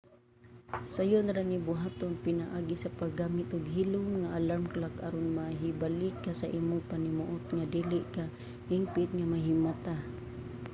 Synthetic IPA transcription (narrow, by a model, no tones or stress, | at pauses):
sajʊnɾanibʊɦaːt̪ʊnpɪnaʔaːɡisapaɡaːmɪt̪ʊɡɦilʊmŋaʔalamkalakʔaɾonmaɦibalikːasaʔiːmʊpanimʊʔʊt̪̚ŋad̪ilɪʔka | himpɪt̪̚ŋamaɦɪmat̪a